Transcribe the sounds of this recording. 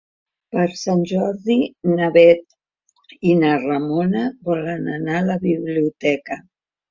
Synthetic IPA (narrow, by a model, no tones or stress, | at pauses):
pəɾsanʲʒɔɾðinaβɛt̪̚ | inaramonaβɔlənanaləβiβliut̪ɛkə